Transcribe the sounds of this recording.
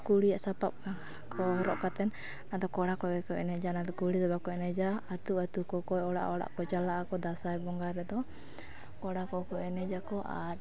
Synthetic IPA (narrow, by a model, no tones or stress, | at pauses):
kuɽijaʔsapap̚ | kɔɾɔʔkat̪ɛn | nad̪ɔkɔɽakɔɛkɔʔɛnɛd͡ʒanad̪ɔkuɽisabab̚kɔɛnɛd͡ʒaːt̪uat̪ukɔkɔjɔɽa̰ʔɔɽa̰ʔkɔt͡ʃalaʔakɔd̪asajbɔŋɡaɾɛd̪ɔ | kɔɽakɔkɔɛnɛd͡ʒakɔʔa̰